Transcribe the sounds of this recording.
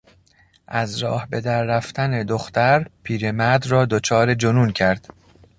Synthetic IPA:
ʔæzɾɒːhbe̞d̪æɾːæft̪æne̞d̪oxt̪ʰæɾpʰiːɾe̞mæd̪rɒːd̪ot͡ʃʰɒːɾe̞d͡ʒonuːncʰæɾd̪̥

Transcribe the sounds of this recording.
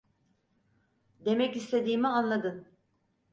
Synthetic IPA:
d̪e̞mɛcist̪ʰe̞d̪iːmianlˠad̪ɯn

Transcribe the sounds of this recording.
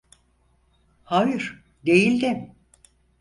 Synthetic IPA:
hajɯɾ̥ | d̪ejilʲd̪ɪm

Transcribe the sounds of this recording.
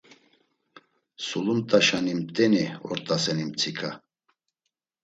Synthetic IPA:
sulumt̪ʼaʃanimt̪ʼɛniɔ̰ɾt̪ʼasɛnimt͡sʰikʰa

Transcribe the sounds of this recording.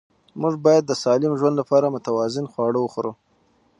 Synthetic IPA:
muʐbɑjad̪ːəsɑlɪmʒwand̪lapɑɾamʊt̪awɑzɪnxwɑɽəwəxoɾu

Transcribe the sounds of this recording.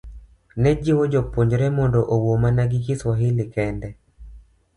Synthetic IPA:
nɛd͡ʒɪwod͡ʒopoɲd͡ʒɾɛmɔndɔʔowomanaɡɪkɪswaɦɪlɪkɛndɛ

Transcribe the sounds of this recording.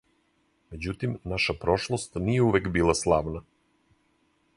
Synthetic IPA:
me̞d͡ʑut̪imnaʃapɾo̞ʃlˠost̪nijeuʋekbiːlˠaslˠaːʋna

